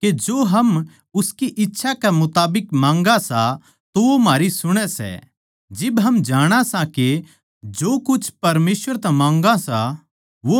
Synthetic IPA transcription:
ked͡ʒoːɦɐm | ʊskiʔɪtːʃʰakɛmʊt̪aːbɪkmãːŋɡasa | t̪oʋomaːɾisʊɽ̃ɛsɛ̰ | d͡ʒɪbɦɐmd͡ʒaːɽ̃asake | d͡ʒoːkʊt͡ʃʰpɐɾmeːsʋəɾt̪ɛ̃mãːŋɡasa | ʋo

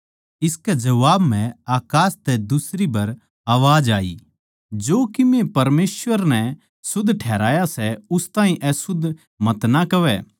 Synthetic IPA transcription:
ɪskɛd͡ʒɐʋaːbmɛ̃aːkaːst̪ɛd̪ʊsɾibɐɾ | aːʋaːd͡ʒaːḭ | d͡ʒoːkɪmepɐɾmeːsʋəɾnɛ | sʊd̪ʱʈʰɛːɾaːjasɛʊst̪aːɦĩʔɛsʊd̪ʱ | mɐt̪nakɐʋɛː

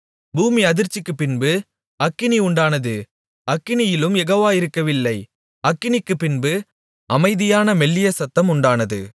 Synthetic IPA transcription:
buːmiɐðɪɾt͡ʃːɪkːɯpːɪnbɯ | ɐkːɪniʊɳɖaːnɐðɯ | ɐkːɪnɪjɪlɯmɛɣoːʋaːɪɾɯkːɐʋɪlːɐɪ | ɐkːɪnɪkːɯpːɪnbɯ | ʔɐmɐɪðɪjaːnɐmɛlːɪjɐsɐt̪ːɐmʊɳɖaːnɐðɯ̰

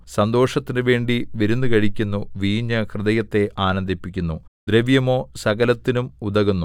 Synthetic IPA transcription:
sɐnd̪o̞ːʂɐt̪ːinɨʋe̞ːɳɖiʋiɾunːɨkɐɻikʲːunːuʋiːɲːɐkrɨðɐjɐt̪ːe̞ʔaːnɐnd̪ipːikʲːunːu | d̪̥ɾeʋjɐmo̞ːsɐɣɐlɐt̪ːinumud̪ɐɣunːu

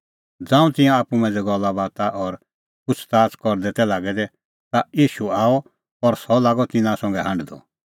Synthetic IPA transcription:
d͡zãːũt̪ɪ̃jãaːpumɛ̃ːd͡zɛɡɔlːabaːt̪aʔɔɾ | pʊt͡sʰt̪aːt͡skɔɾd̪ɛt̪ɛlaːɡɛd̪ɛ | t̪ajiːʃuaːɔ | pɔɾsɔlaːɡɔt̪ɪnãsɔ̃ŋɡɛɦãɳɖd̪ɔ̰

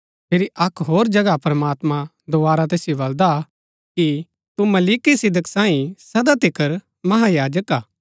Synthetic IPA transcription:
pʰɪɾiʔɐkɦoːɾd͡ʒɐɡapɾɐmaːt̪mã | d̪oaːɾat̪̬eːsjobɐld̪a | ki | t̪umɐliːkisɪd̪əksãːĩsɐd̪at̪ɪkəɾ | mɐɦajaːd͡ʒəkaː

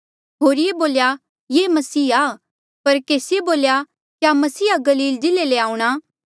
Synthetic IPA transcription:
ɦoːɾjeboːlja | jeːmɐsiːaː | pɐɾkeːsɪjeboːlja | kjamɐsiːaɡɐliːld͡ʒɪleleaːũɽ̃aː

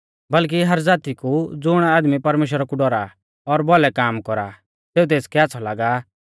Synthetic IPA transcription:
bɐlk̬iɦɐɾd͡zaːt̪ikud͡zʊɽ̃aaːd̪mipɐɾmeːʃ̬wɾakuɖɔɾa̰ | ɔɾbɔlɛkaːmkɔɾa̰ | t̪eːut̪̬eːskɛatːsʰɔlaːɡa

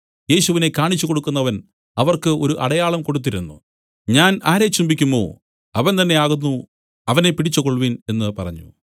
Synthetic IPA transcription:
je̞ːɕuʋine̞kːaːɳit͡ɕːuko̞ɽukːunːɐʋɐn | ɐʋɐrkɨo̞ɾuʔɐɽɐjaːɭɐmko̞ɽut̪̬ːiɾunːṵ | ɲaːnaːɾet͡ɕːumbikʲːumbo̞̰ː | ɐʋɐnt̪ɐnːe̞aːɣunːu | ɐʋɐne̞piʈit͡ɕːukoɭʋine̞nːɨpɐrɐɲːṵ

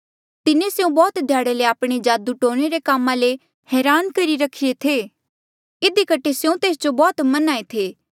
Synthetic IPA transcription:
t̪ɪnẽsjũbɔːt̪d̪ʱjaːɽeleaːpɽ̃ed͡ʒaːd̪uʈoːɽ̃eɾekaːmãle | hɛːɾaːnkɐɾiɾɐkʰːiet̪ʰeː | ɪd̪ikəʈʰesjũt̪eːsd͡ʒobɔːt̪mɐnaːet̪ʰeː

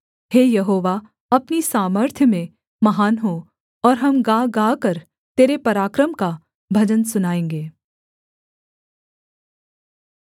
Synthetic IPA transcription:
heːjɐɦoːʋa | ɐpnisaːməɾt̪ʰjəmẽ | mɐɦaːnɦo | ɔːɾɦɐmɡaːɡaːkɐɾ | t̪eːɾepɐɾaːkɾəmka | bʱɐd͡ʒənsʊnaːẽːŋɡeː

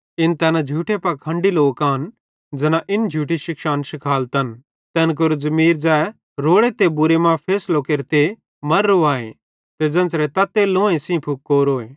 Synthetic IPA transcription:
ɪnt̪ɛːnad͡ʒʱuːʈepɐkʰɐ̃ɳɖiloːkaːn | d͡zɐnãʔɪnd͡ʒʱuːʈiʃɪkʃaːnʃɪkʰaːlt̪ɐn | t̪ɛːnk̬ʊɾod͡zɐmiːɾd͡ʒaːɛ | ɾoːɽet̪ebʊɾemãpʰeːslokeɾt̪e | mɐɾːoaːḛ̃ | t̪ed͡zɐ̃nt͡sɾɛt̪ɐt̪ːelõːẽsĩpʰʊk̚ːoːɾoːeː

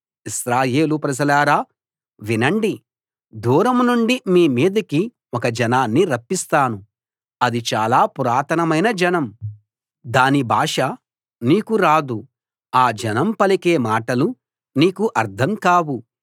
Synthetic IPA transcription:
isɾaːje̞ːlupɾɐd͡ʒɐlaːɾaː | ʋinɐɳɖi | d̪uːɾɐmnuɳɖimiːmiːd̪ɐki | ɔkɐd͡ʒɐnaːnːiɾɐpːist̪aːnu | ɐd̪it͡ʃaːlaːpuɾaːt̪ʰɐnɐmɐjnɐd͡ʒɐnɐm | d̪aːnibʱaːʂa | niːkuɾaːd̪u | aːd͡ʒɐnɐmpɐlikeːmaːʈɐlu | niːkuʔɐɾd̪ʰʱɐmkaːwu

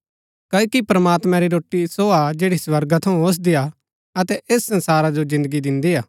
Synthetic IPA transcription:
kɐkipɾɐmaːt̪mãɾiɾoːʈːisoad͡ʒeːɽiswɐɾɡat̪ʰɐũos̬d̪ia | ɐt̪ɛʔeːsːɐ̃nsaːɾad͡ʒozɪ̃nd̪əɡid̪ɪ̃nd̪iaː

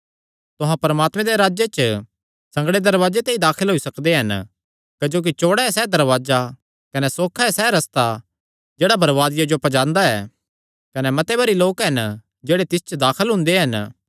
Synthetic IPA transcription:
t̪ʊɦãpɐɾəmaːt̪mɛ̃d̪eɾaːd͡ʒjet͡ʃə | sɐ̃ŋɡɽed̪ɐɾʋaːd͡ʒet̪ẽid̪aːkʰəlɦoːisɐkd̪eɦɐn | kɐd͡ʒoːk̬it͡ʃoːɽaɛsɛːd̪ɐɾʋaːd͡ʒa | kɐnɛsoːkʰaɦɛsɛːɾɐst̪a | d͡ʒeːɽabʱɐɾʋaːd̪ɪjad͡ʒopɐd͡ʒãːnd̪aɛ̰ː | kɐnɛmɐt̪ebʱɐɾiloːkɦɐn | d͡ʒeːɽet̪ɪst͡ʃəd̪aːkʰəlɦʊ̃nd̪eɦɐn

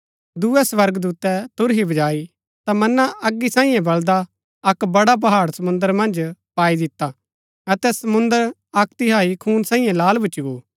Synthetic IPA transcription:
d̪uːɛsʋɐɾɡd̪uːt̪ɛt̪ʊɾɦibɐd͡ʒaːi | t̪amɐnːaʔɐɡːisãːĩːjãbɐld̪a | ɐkbɐɽap̬ɐɦaːɽsɐmʊ̃nd̪əɾmɐ̃nd͡ʒpaːid̪ɪt̪a | ɐt̪ɛsɐmʊ̃nd̪əɾ | ɐkt̪ɪɦaːikʰuːnsãːĩːjãlaːlbʱʊt͡ʃiɡoː

